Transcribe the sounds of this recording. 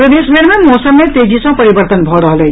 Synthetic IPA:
pɾəd̪esbʱeɾmemosəmːet̪ed͡ʒisʌ̃pəɾibəɾt̪ənbʱɔɾʌɦlej

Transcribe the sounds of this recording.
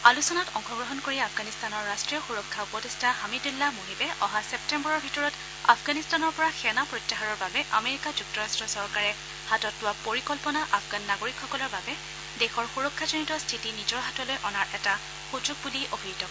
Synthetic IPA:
alusɔnatɔŋxʰɔɡɹɔɦɔnkoɹiapʰɡanistanɔɹːastɹijɔxuɹɔkʰːaupɔtestʰahamidulːamoɦibɛʔɔɦasɛp̚tɛmbɔɹɔɹbʱitɔɹɔt | a̰pʰɡanistanɔɹpɔɹaxɛnapɹotːaɦaɹɔɹbabɛʔameɹikad͡ʒuk̚tɔɹastɹɔsɔɹkaɹɛ | hatɔtːʊwapoɹikɔlpɔnaʔafɡanːaɡoɹikʰxɔkɔlɔɹbabɛ | dexɔɹxuɹɔkʰːazɔnitɔstʰitinizɔɹɦatɔlojʔɔnaɹʔɛta | xud͡ʒuɡ̚buliʔobʱiitɔ

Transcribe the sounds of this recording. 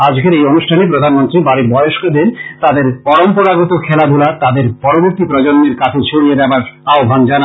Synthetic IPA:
ad͡ʑkeɾejonuʃʈʰanepɾod̪ʱanmont̪ɾibaɾibɔjoʃkod̪eɾt̪ad̪eɾpɔɾompoɾaɡot̪okʰɛlad̪ʱulat̪ad̪eɾpɔɾoboɾt̪ipɾɔd͡ʑonːeɾkat͡ɕʰet͡ɕʰoɽied̪ɛbaɾaobʱand͡ʑana

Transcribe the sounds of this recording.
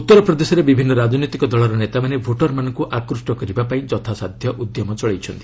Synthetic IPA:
ut̪ːɔɾɔpɾɔd̪esɔɾebibʱinːɔɾad͡ʒnit̪ikɔd̪ɔɭɔɾɔnet̪amanebʱoʈɔɾmanɔŋkuʔakɾusʈɔkɔɾibapaĩd͡ʒɔt̪ʰasad̪ʱjɔʔud̪jɔmɔt͡ʃɔɭejt͡ʃʰɔnt̪i̥

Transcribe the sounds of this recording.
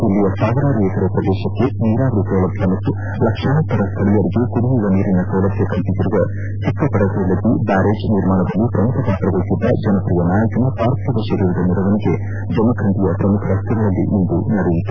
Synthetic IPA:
ilːijɐsaːɡɐɾaːɾjɛk̪ɐɾɐpɾɐd̪ɛːʃɐkːe̞niːɾaːʋɐɾisɐʋlɐbʱjɐmɐt̪ːu | lɐkʂɐɦɐt̪ːɐɾɐst̪ʰɐɭijɐɾiɡekuɽuʋiʋɐniːɾinɐsɐʋlɐbʱjɐkɐnt̪iɡ̪iɾuʋɐ | t͡ʃʰikːɐpɐɽɐselːɐd̪ibaːɾeːd͡ʒniɾmaːɳɐd̪ɐlːipɾɐmukʰɐpaːt̪ɾɐʋɐjisid̪ːɐ̰d͡ʒɐnɐpɾijɐnaːjɐkɐnɐpaːɾt̪ʰːiʋɐʃɐɾiːɾɐd̪ɐniɾɐʋɐniɡe̞ | d͡ʒɐmɐkʰɐnt̪ijɐpɾɐmukʰɐɾɐst̪ʰɐɡɐɭɐlːḭʔind̪unɐɾijit̪u

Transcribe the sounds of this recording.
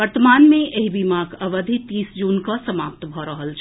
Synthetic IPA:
ʋəɾt̪əmaːnmẽeɦibimaːɡəʋəd̪ʱit̪iːsd͡ʒuːnkasəmaːp̚t̪bʱɔɾəɦəlt͡ʃʰ

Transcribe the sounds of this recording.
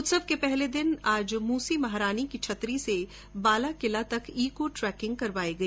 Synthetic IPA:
ʊt̪səb̚kepɛɦled̪ɪnaːd͡ʒmuːsimɐɦɾaːnikit͡ʃʰɐt̪ɾise | baːlakɪlat̪ɐkʰiːkoʈɾɛːkɪ̃ŋɡ̚kɐɾʋaːeɡɐeː

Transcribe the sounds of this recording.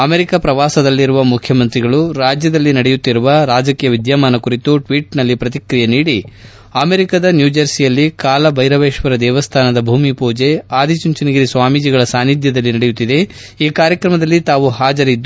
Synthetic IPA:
ɐmeɾikɐpɾɐʋaːsɐd̪ɐlːiɾuʋɐmukʰjɐmɐnt̪ɾiɡɐɭuɾaːd͡ʒjɐd̪ɐlːinɐɽejut̪ːiɾuʋɐɾaːd͡ʒɐkiːjɐʋid̪jamaːnɐkuɾit̪uʈʋiːʈnɐlːipɾɐt̪ikɾijeniːɽi | ɐmeɾikɐd̪ɐnjuːd͡ʒɐɾsijɐlːikaːlɐbʱɐjɾɐʋeːʂʋɐɾɐd̪ɛːʋɐst̪ʰaːnɐd̪ɐbʱuːmipuːd͡ʒe̞aːd̪ʱit͡ʃuɲt͡ʃiniɡiɾisʋaːmid͡ʒiɡɐɭɐsaːnid̪ʱjɐd̪ɐlːinɐɽejut̪ːid̪e̞ | iːkaːɾjɐkɾɐmɐd̪ɐlːit̪aːʋuhaːd͡ʒɐɾid̪ː

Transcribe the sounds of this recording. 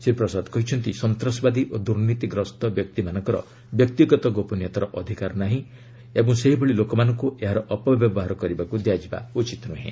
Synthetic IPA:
sepɾɔsad̪kɔɦit͡ʃʰɔnt̪isɔnt̪ɾɔsbad̪iʔod̪uɾnit̪iɡɾɔst̪ɔbjɔk̚t̪imanɔ̃ŋkɔɾɔ̰ | bjɔk̚t̪iɡɔt̪ɔɡopɔnijet̪aɾɔʔɔd̪ʱikaɾnaɦĩ | ebɔŋseɦibʱɔɭilokɔmanɔŋkueɦaɾɔʔɔpɔbjɔbɔɦaɾɔkɔɾibakud̪jad͡ʒiba̰ut͡ʃit̪nuɦḛ̃

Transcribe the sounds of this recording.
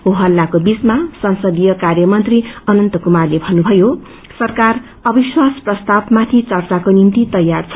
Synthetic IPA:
ɦuɦʌlːakobit͡smasʌnsʌd̪ijʌkarjʌmʌnt̪riʌnʌnt̪ʌkumarlebʱʌnːubʱʌjo | sʌrkar | ʌbiswasprʌst̪abmat̪ʰit͡sʌrt͡sakonint̪it̪ʌjːart͡sʰʌ

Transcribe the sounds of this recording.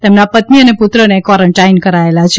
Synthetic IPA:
t̪emnapət̪miəneput̪ɾənekʋɔɾəɳʈajnkəɾaelat͡ʃʰe

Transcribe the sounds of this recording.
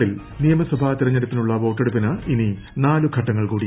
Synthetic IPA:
il | nijɐmɐswɐbʱaːt̪iɾɐɲːɐɾɐt̪ːinuɭːɐʋo̞ːʈːeɽupːinɐʔini | naːluɡʰʱɐʈːɐŋːɐɭkuːɽi

